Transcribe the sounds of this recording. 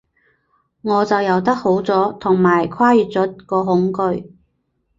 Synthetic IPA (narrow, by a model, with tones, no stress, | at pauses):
ŋɔː˨˧t͡sɐ˨wjɐ˨˧wt̪̬ɐ˥k̚ho˨˥wt͡sɔː˨˥t̪ʰʊ˨˩ŋmaː˨˩jkʰwaː˥jyː˨t̚t͡sɔː˨˥kɔː˧ɦʊ˨˥ŋkɵ˧ɥ